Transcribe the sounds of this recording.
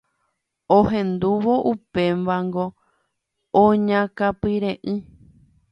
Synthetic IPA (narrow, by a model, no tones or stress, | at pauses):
oɦẽ̞nd̪uʋo̞ʔupe̞mʋaŋɡo | õɲãkapɨɾẽʔɨ̃